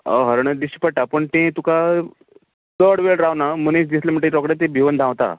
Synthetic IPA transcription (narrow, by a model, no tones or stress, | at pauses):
ə̰ɦəɾɳəd̪iɕi̥pəʈːapəɳt̪ẽt̪uka | t̪əɽʋeɭɾaʋnamənisd͡ʑislem̤əɳʈeʈɔkɽat̪̬ẽbʱiʋənd̪ʱãwt̪a̰